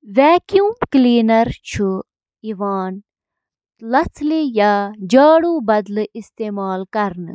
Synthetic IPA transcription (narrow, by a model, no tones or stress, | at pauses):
ʋɛːkjuːmkliːnɐɾt͡ʃʰu | iʋaːn | lɐt͡sʰlejaːd͡ʒaːɽuːbɐd̪lɪst̪eːmaːlkɐɾn